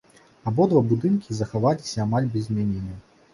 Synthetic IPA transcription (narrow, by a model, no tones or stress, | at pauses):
abɔd̪vabud̪ɨnkʲizɐxavalʲisʲɐːmalʲbʲɛzʲmʲanʲinʲɐ